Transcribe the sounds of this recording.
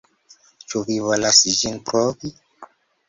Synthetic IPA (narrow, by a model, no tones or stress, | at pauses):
t͡ʃuvivolasid͡ʒinpɾovi